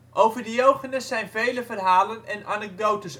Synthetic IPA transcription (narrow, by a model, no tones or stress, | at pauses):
ʔowvərdəjowχənəsɛjnvejləvərɦaːlənɛnʔanɛɡ̚dowtəs